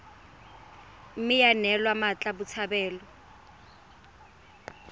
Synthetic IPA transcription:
m̩mɪjanɛlwamat͡ɬʼabʊt͡sʰabɛːlɔ

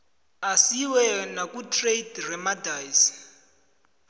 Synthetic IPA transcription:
asiwɛnakʼutʼredrɛmadajs

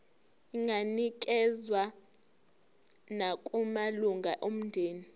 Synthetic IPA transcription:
iŋɡʱanik̬ɛzwa | nakʼumaluŋɡʱaʔom̩ndʱeːni

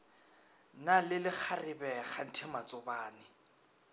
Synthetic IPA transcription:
nalɪlɪk͡xʰarɪbɛχan̩tʰɪmat͡sʼʊbaːnɪ

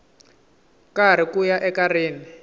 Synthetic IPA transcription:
kaɾ̤ikujaʔɛkariːni

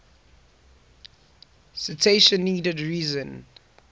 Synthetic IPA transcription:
sitʰeʃə̃nːiːdədɹiːzə̃n

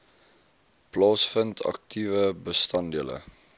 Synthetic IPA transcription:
plɑːsfəntʰɐ̰k̚tʰivəbəstɐndiələ̰

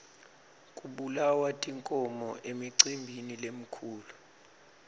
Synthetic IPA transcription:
kʼuɓulawatʼiŋkʼɔmɔʔemiǀimbʱinilem̩kʰuːlu

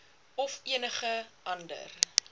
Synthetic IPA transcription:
ɔfiənəχəʔɐndə̰r

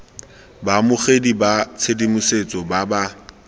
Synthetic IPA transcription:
bamʊχedibat͡sʰedimʊset͡sʼɔbaba

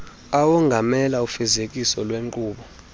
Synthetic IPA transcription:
awɔŋɡʱamɛlaufɛzek̬ʼisɔlweŋǃuːɓɔ

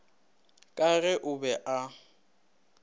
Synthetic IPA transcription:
kʼaɣɛʔʊbɛʔa

